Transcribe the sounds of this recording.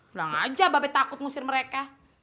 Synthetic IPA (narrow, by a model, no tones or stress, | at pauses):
laŋa̰d͡ʒababat̪akʊt̪̚musɪrməɾeka